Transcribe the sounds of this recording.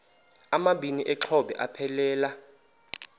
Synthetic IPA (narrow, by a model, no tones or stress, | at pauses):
amaɓʱiniʔɛǁʰɔɓɛ̰ʔapʰɛlɛːla